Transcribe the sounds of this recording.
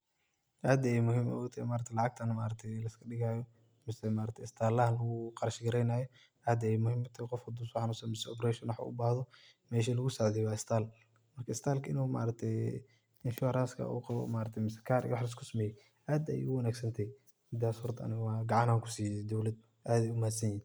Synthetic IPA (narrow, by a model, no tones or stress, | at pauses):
ʔaːd̪ɐjɛjmʊɦɪmɔ̰ɔt̪ʰɛmaːɾɐt̪ʰɛlɑʕɑɡ̚t̪ʰɐnɐmaːɾɐt̪ʰɛjlɐskʰɐɖɪɣaːjɔ | mɪsɛmaːɾɐt̪ʰɪst̪ʰaːlɐhɐnlɐɣʊqɑɾʃɪɡɐɾɛjnaːjɔ | aːd̪ɐjɛjmʊhɪmɐt̪ʰɐqɔfkʰɐd̪uːswħɑnuːsɛnmɪsɛɔpɾɛʃɔnwɑħa̰ʔʊ̰baːhðɔ | mɛːʃ̬ɐlɐɣʊsɔʕd̪ɛjwaːɪst̪ʰaːl | mɐrkʰɐɪst̪ʰaːlkʰɐɪnuma̰ːɾɐɡ̚t̪ʰɛj | ɪnʃʊɛɾaːskʰɐ̰ʔṵːqɑβɔ̰maːɾɐt̪ʰjmɪsɛ̥kʰaːɾʔḭwɑħlɐs̬kʰʊsɐmɛːjɛj | ʔaːd̪ɐ̰jḭʊwɐnaːɡsɐnt̪ʰɛj | mɪd̪aːshɔrt̪ʰɐ̰nɪwɑːɡɑʕɑnaːŋkʰʊ̥siːd̪ɔwlɐd̪̚ | ʔaːd̪ɛjʊmaːd̪sɐɲjɪn